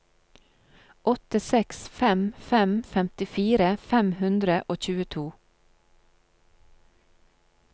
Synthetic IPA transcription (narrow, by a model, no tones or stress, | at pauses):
ʔɔt̪əsɛksfɛmfɛmfɛmt̪ɪfiːɾəfɛmhʉnd̪ɾəʔoːc͡çʉːət̪ʰuː